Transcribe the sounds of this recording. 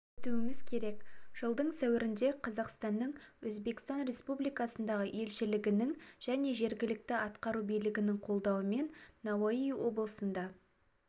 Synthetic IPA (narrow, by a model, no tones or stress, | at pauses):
ɵt̪uɪmɪzkʲʰe̞ɾe̞kʒ̥əlˠd̪əɴsæwɪɾɪnd̪e̞qʰɑzɑqst̪ɑnːəɴwɵzbe̞kʲɪ̥st̪ɑnɾe̞spublijkɑsənd̪ɑʁəʔe̞lʃɪlɪɡʲɪnɪŋʒ̥æne̞ʒe̞ɾɡʲɪlɪk̚t̪ɪɑt̪qɑɾubijlɪɡʲɪnɪŋqʰo̞lˠd̪ɑwəme̞nːɑwoijwo̞blˠəsənd̪ɑ